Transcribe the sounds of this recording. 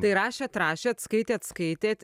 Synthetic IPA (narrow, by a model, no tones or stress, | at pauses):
t̪ɐɪɾɑːʃʲeːɐt̪ɾɑːʃʲeːɐt̪skɐɪt̪ʲeːɐt̪skɐɪt̪ʲeːt̪ʲ